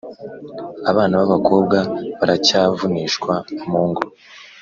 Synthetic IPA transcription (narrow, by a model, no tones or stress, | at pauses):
aβaːnaβaβakʰo̞ːbɡaβaɾacaːvuniːʃkwamuːŋɡo